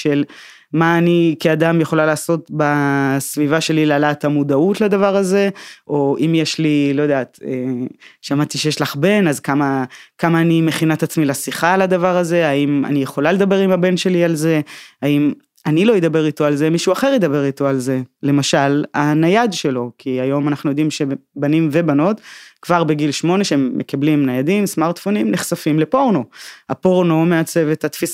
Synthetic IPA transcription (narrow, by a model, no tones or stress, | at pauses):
ʃe̞l | maːnikiad̪amjeχo̞lalaːso̞t̪basvivaʃe̞lilealat̪amud̪aut̪lad̪avaʁaze̞ʔo̞ʔimjeʃlilojod̪aːt̪eʃamat̪iʃejeʃlaχbe̞nazkamakamaːnime̞χinat̪at͡smilasiχalad̪avaʁaze̞aima̰nijeχo̞laled̪abe̞ʁimabe̞nʃe̞lialze̞aim | anilojed̪abe̞ʁit̪o̞alze̞miʃuaχe̞ʁjed̪abe̞ʁit̪o̞alze̞le̞maʃalanajad̪ʃe̞lo̞kʰiajo̞manaχnujo̞d̪imʃe̞banimve̞bano̞t̪kv̥aʁbeɡilʃmo̞ne̞ʃeemːekablimnajad̪imsmaʁt̪fonimneχsafimle̞po̞ʁnoapo̞ʁno̞meat͡se̞vet̪at̪fis